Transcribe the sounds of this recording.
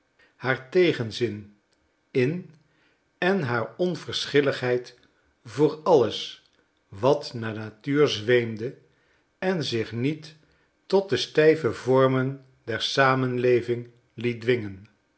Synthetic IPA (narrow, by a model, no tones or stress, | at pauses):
haːɹtejχənzɪn | ɪn | ɛnɦaːɹɔnv̥əɹsχɪləχɦɛjt | vʊːɹɑləs | ʋɑtnaːnatyːɹzʋejmdə | ɛnzɪχnitː | ɔt̚dəstɛjvəvɔɹmən | dɛɹsaːmənlejvɪŋ | lit̚dʋɪŋən